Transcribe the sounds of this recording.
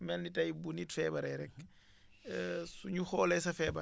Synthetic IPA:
mɛlnitɐjbunitfɛːbɐɾɐɾɛk̚ | suɲuxɔːlɛjsɐfɛːbɐ

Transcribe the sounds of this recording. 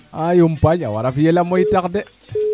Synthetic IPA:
ajumpaɲa̰wa̰ɾafijelamoitakde

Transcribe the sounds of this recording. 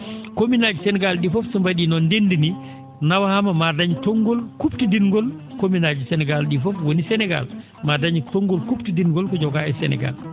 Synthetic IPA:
kominad͡ʒusɛnɛɡalɗifɔfsumbaɗinɔndendini | nawahamamadaɲtɔŋɡɔlkuptidiŋɡɔlkominad͡ʒisɛnɛɡalɗifɔfwonisɛnɛɡa̰l | madaɲitɔŋɡɔlkuptidiŋɡɔlkɔd͡ʒɔɡaɛsɛ̰nɛ̰ɡa̰l

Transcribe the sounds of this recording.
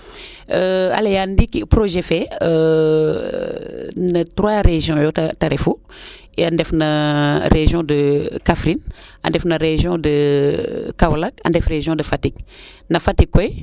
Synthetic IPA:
əa̰lejandikipɾoʒɛfɛə | natɾwaɾeʒjɔ̃jɔttaɾɛfu | iandɛfnɐɾeʒjɔ̃dəkafɾinɐ̰ndɛfnɐɾeʒjɔ̃də | kawlakɐ̰ndɛfreʒjɔ̃dəfatik̚ | nɐfatikːɔj

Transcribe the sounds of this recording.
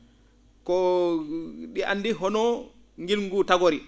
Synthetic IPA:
kɔ | ɗiʔanːdiɦɔnɔ | ŋɡilŋɡutaɡoɾi

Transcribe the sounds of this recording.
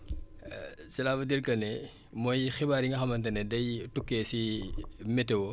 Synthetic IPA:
sɐlaːʋɐdiɾkɐnɛ | mɔjxibaːɾiŋɡɐxɐmɐnt̬ɐnedɐjtukːesimetewo

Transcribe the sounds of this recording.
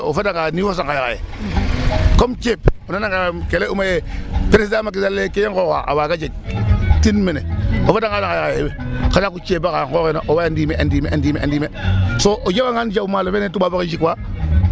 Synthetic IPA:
o̰fedaŋɡaniwos̬aŋkajaka̰jḛ | komt͡ʃeponanaŋɡakeleumajepeɾesdamak̬izalːekejeŋkoka̰ʔa̰waɡad͡ʒeɡ̚tinmeneofadaŋkasakajkajebekadakut͡ʃebakaŋkokenaʔowaandimeʔandimeʔandimeʔa̰ndimesoʔod͡ʒewaŋand͡ʒabmalofenetubaːbokid͡ʒikwa

